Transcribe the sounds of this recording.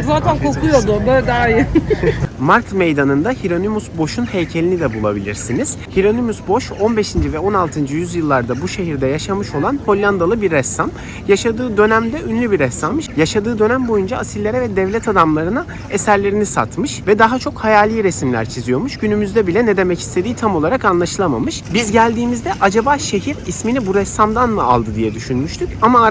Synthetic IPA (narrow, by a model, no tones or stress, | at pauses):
zaːt̪ʰænkʰo̞kʰujo̞d̪ʊbød̪aːjɯ | maɾt̪ʰmejd̪anɯnd̪ahiɾo̞nimusbo̞ʃunhejcʰe̞lʲinid̪ɛbulˠa̰bḭlʲḭɾsiniz̥hiɾo̞nimusbo̞ʃo̞nbe̞ʃind͡ʒivɛo̞nalˠt̪ʰɯnd͡ʒɯjyzjɯlˠːaɾd̪abuʃe̞ɦiɾd̪ɛjaʃamɯʃo̞lˠanho̞lʲːand̪alˠɯbiɾːɛst̪ːam | jaʃad̪ɯːd̪ø̞næmd̪ɛʔynlʲybiɾɛsamːɯʃjaʃad̪ɯːd̪ø̞næmbo̞jund͡ʒaːsilʲːeɾɛvɛd̪ɛvlʲɛt̪ʰad̪amlˠaɾɯna | esæɾlʲe̞ɾinisa̰t̪mɯʃvɛd̪aɦat͡ʃʰo̞khajaːlʲˠiːɾɛsimlʲæ̰ɾt͡ʃʰizijo̞muʃɟynymyzd̪ɛbilʲɛned̪e̞mɛci̥st̪ʰe̞d̪iːt̪ʰamo̞lˠaɾakanlˠaʃɯlˠamamɯʃbizɟælʲd̪iːmizd̪ɛʔad͡ʒabaːʃe̞ɦiɾisminibuɾɛsːamd̪anmɯa̰lˠd̪ɯd̪ijɛd̪yʃynmyʃt̪ʰycama